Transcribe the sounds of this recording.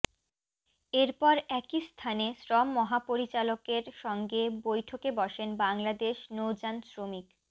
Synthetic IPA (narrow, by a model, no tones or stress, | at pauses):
eɾpɔɾɛkist̪ʰanesɾɔmːɔɦapoɾit͡ɕalokeɾʃɔŋɡebojʈʰokebɔʃenbaŋlad̪eʃnowd͡ʑansɾomik